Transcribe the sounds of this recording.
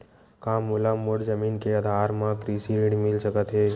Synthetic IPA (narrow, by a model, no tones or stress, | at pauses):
kaːmːulamːoʈzəmiːnkeəd̪ʱaːɾmãkɾiːsiɾiɽmɪlsəkət̪ɦeː